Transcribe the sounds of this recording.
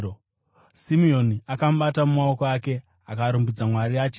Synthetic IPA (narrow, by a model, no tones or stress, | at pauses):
simio̞niakamuɓatamumao̞koake̞ | akaɾumbud͡zamwaɾiaːt͡ʃi